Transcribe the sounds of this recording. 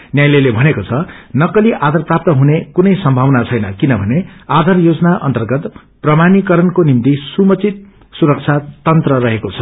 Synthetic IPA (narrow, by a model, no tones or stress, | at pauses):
njajlelebʱʌnekot͡sʰʌnʌkʌliʔad̪ʱarprap̚t̪ʌɦunekunʌjsʌmbʱawnat͡sʰʌjnʌkinʌbʱʌnead̪ʱarjod͡zʌnaʔʌ̰nt̪ʌrɡʌt̪ | prʌmanikʌɾʌnkonimt̪isumʌt͡sit̪̚ | suɾʌk̚t͡sʰat̪ʌnt̪rʌɾʌɦekot͡sʰʌ̥